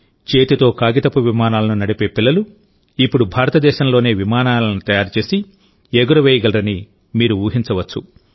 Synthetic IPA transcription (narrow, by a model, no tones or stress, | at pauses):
t͡ʃe̞ːt̪it̪o̞ːkaːɡit̪ɐpːuʋimaːnaːlɐnunɐɽipe̞ːpilːɐlu | ipːuɽubʱaːɾɐt̪ɐd̪ɛːʃɐmlo̞ːne̞ːʋimaːnaːlɐnut̪ɐjaːɾt͡ʃe̞ːsi | eɡuɾɐʋeːjɐɡɐlɾɐni | miːɾuuːɦint͡ʃɐʋɐt͡ʃːu